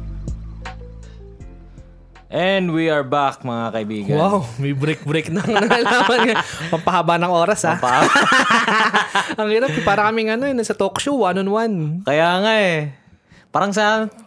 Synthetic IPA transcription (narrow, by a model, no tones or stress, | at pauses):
ʔɛnd̪wiɐɹbak̚mɐŋakɐʔɪbiːɡɐwawmɐjbɾɛk̚bɾɛk̚nɐŋnɐŋɐlaːmɐnapɐɡpɐhabanɐŋʔo̞ːɾɐshapa | ɐŋhɪɾap̚ɛpaːɾɐkɐmɪŋɐnoɛnɐsɐt̪okʃowanonwankɐjaːŋaʔɛ | paːɾɐŋsɐ